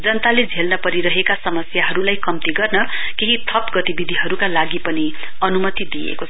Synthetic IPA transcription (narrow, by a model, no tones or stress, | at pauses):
d͡zʌnt̪aled͡zʱelnʌpʌɾiɾʌɦekasʌmʌsjaɦʌɾulajkʌmt̪iɡʌrnʌkeɦit̪ʰʌpɡʌt̪ibid̪ʱiɦʌɾukalaɡipʌni | ʌnumʌt̪id̪iḛkot͡sʰʌ